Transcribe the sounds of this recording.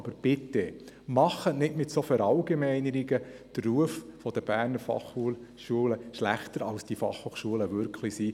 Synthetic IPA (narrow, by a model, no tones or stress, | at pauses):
b̥əɾb̥ɪte | mɑχːənɪtmɪtsofæɾɑʊɡ̥emɛɪnəɾiɡəd̥rruəffɔd̥̪əb̥æːɾnəɾfɑ̰χulʃuələʃlæχtəɾɑlsd̥ifɑ̰χhoːχʃuələvʏɾkʰlisiː